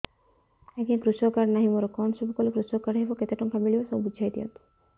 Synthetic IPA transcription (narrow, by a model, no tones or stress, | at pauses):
ɛkinkɾusɔkaɾnaɦimɔɾɔkɔnsubʱɔkɔlekɾusɔkaɾɦebɔket̪eʈɔŋkʰabeɭibɔsɔbud͡ʒʱajt̪iɔ̰nt̪u̥